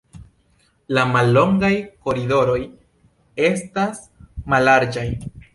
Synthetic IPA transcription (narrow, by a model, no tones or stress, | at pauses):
lamalːo̞ŋɡajko̞ɾido̞ɾo̞j | e̞stas | malaɾd͡ʒaj